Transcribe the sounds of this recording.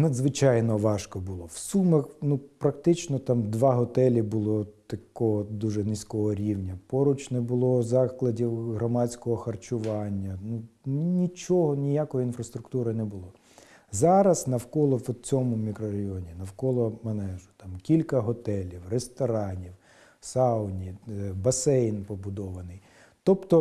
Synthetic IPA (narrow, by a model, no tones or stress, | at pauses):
nɐd̪zʋɪt͡ʃɑjnɔʋɑʃkɔbʊlˠɔw̥sumɐxnupɾɐkt̪ɪt͡ʃnɔt̪ɑmd̪ʋɑɦɔt̪ɛlʲibʊlˠɔt̪ɐkɔɦɔd̪uʒɛnɪsʲkɔɦɔɾʲiwnʲɐpɔɾʊt͡ʃnɛbʊlˠɔzɑklˠɐdʲiwɦɾɔmɑt͡sʲkɔɦɔxɐrt͡ʃʊʋɑnʲːɐnunʲit͡ʃɔɦɔnʲijakɔjiinfɾɐst̪ɾʊkt̪uɾɪnɛbʊlˠɔ | zɑɾɐznɐwkɔlˠɔʋt͡sʲɔmʊmʲikɾɔɾɐjɔnʲinɐwkɔlˠɔmɐnɛʒʊ̥t̪ɑmkʲilʲkɐɦɔt̪ɛlʲiwrest̪ɔɾɑnʲiw | sɑwnʲibɐsɛjnpɔbʊd̪ɔʋɐnɪj | t̪ɔpt̪ɔ